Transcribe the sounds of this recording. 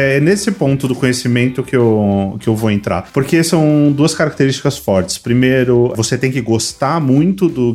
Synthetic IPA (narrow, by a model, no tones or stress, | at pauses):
ɛnesɪpõnt̪ʊd̪ʊkõɲesimẽnt̪ʊkɪewkɪewvoẽnt̪ɾa̰ɾpoɾkesɐ̃w̃d̪uɐskaɾak̚t̪eɾist͡ʃi̥kɐsfɔɾt͡ʃɪ̥spɾimeɾʊvoset̪ẽj̃kɪɡost̪aɾmũj̃t̪ʊd̪ʊ